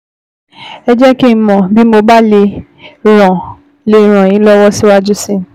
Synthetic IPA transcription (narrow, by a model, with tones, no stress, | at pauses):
ɛ˧d͡ʒɛ˦ki˦˨mɔ̃˨bi˨˦mo˧ba˦le˧ | ɾ̃ã˨ | le˧˦˨ɾ̃ã˨ĩ˨˦lɔ˦wɔ˦si˦wa˦d͡ʒu˦sĩ˦